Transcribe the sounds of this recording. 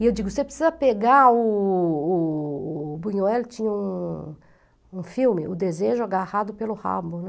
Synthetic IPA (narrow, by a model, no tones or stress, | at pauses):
ɪewd͡ʒiɡʊsepɾi̥sizɐpeɡaʊː | bũɲoɛlt͡ʃĩɲɐũ | ũfiwmɪʔʊd̪ezeʒʊaɡahad̪ʊpelʊha̰bʊnɛ